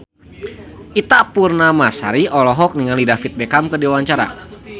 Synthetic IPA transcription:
ʔit̪apurnamasa̰ɾiɔlɔɦɔk̚niŋalidafit̪̚bekamkədiwaɲt͡ʃaɾa̰

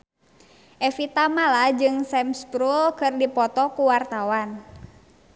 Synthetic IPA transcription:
ʔɛfit̪amalad͡ʒɨŋsɛmspɾulkɨrdipɔt̪ɔkuwart̪awan

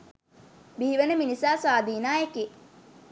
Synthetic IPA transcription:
biɦiʋənəminisaːsaːd̪iːnaːeke

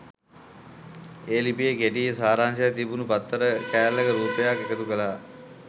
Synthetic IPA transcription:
eːlipijekeʈisaːɾaːnsɐjt̪ibunupɐt̪ʰːəɾəkæːllːɐkəɾuːpəjakekət̪ukəlaː

